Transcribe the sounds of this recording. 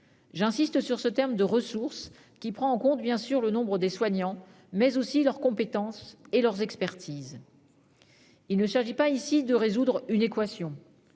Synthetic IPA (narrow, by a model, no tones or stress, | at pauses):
ʒɛ̃sist̪syʁsət̪ɛʁmd̪əʁəsuʁs | kʲipχɑ̃ɑ̃kɔ̃t̪bjɛ̃syʁlənɔ̃bʁəd̪eswaɲɑ̃ | mɛzosilœʁkɔ̃pet̪ɑ̃selœʁzɛkspɛʁt̪ʰiz | ilnəʃaʁʒipaisid̪əʁezud̪ʁynekwasjɔ̃